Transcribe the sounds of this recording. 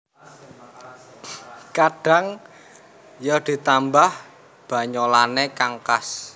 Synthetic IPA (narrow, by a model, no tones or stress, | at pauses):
kaɖ̥a̤ŋ | jɔd̪̥i̤t̪ambah | b̥ä̤ɲɔlanekaŋkas